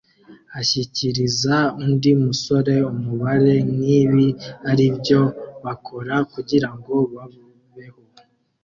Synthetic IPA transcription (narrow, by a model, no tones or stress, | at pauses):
açiciɾizaundimuso̞ɾe̞umuβaɾe̞niβiaɾibjo̞βakʰo̞ɾakuɟiɾaŋɡo̞βavu | βe̞ho̞